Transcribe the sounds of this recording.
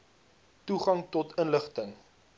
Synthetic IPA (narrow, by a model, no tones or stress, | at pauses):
tuχɐŋtɔtʰənləχtəŋ